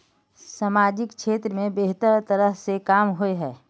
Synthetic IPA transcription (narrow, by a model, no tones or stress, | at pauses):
saːmaːd͡ʒɪkʃeːt̪ɾəmẽbeɦt̪əɾt̪ɐɾəɦsekaːmɦoeɦɛː